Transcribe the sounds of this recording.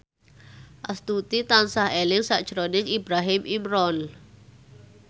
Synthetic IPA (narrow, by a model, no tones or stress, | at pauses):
ʔast̪ut̪it̪ansahelɪŋsaʔd̥ʒ̥ɾonɪŋibɾaɦɪmimɾɔn